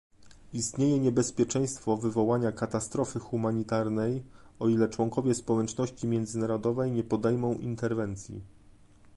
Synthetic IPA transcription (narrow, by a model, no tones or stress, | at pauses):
ist̪ɲejɛɲɛbɛspʲjɛt͡ʂɛj̃st̪fɔvɘvɔwaɲakat̪ast̪ɾɔfɘxumaɲit̪aɾnɛjɔilɛt͡ʂwɔŋkɔvʲjɛspɔwɛt͡ʂnɔɕt͡ɕimʲjɛnd̪zɘnaɾɔd̪ɔvɛjɲɛpɔd̪ɛjmɔ̃w̃ʔḭnt̪ɛɾvɛnt̪sʲjḭ